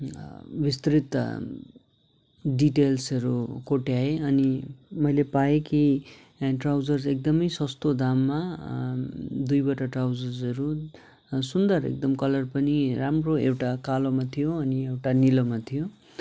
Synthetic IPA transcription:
bist̪ɾit̪ | ɖiʈelsʌɾukoʈjaeʌnimʌjlepaeki | ʈrawd͡zʌrzek̚d̪ʌmʌjsʌst̪od̪amːa | d̪ujbʌʈʌʈrawd͡zʌrd͡zʌɾu | sund̪ʌrḛk̚d̪ʌmkʌlʌrpʌniramroewʈakalomat̪ʰijoʌniewʈanilomat̪ʰijo

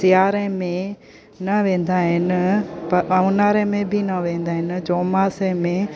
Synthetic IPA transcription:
ɪjaːɾə̃mẽ | nɐʋẽːn̆d̪aːɦɪnɪ̆pɐɐʊnaːɾə̃mẽbʱɪnɐʋẽːn̆d̪aːɦɪnɪ̆d͡ʑoːmaːsə̃mẽ

